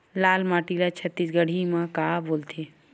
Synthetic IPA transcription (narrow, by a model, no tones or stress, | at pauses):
laːlmaːʈilat͡ʃʰət̪ːiːsɡəɽ̤imãkaːboːlt̪ʰeː